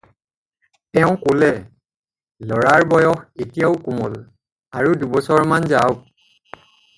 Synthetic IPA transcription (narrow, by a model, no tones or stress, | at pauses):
tɛʊ̃kolɛ | lɔɹaɹbɔjɔxetijaʊkumɔl | aɹudubɔsɔɹmanzaw